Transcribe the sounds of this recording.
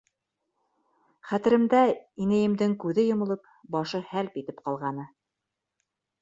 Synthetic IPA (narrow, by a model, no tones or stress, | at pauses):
χæt̪ɘ̆ɾɘ̆md̪æinæjɘ̆md̪ɘŋkʉðɘjŏmɤ̆lˠɤp̚ | bɑʃɤhælpit̪ɘpqɑlˠʁɑnɤ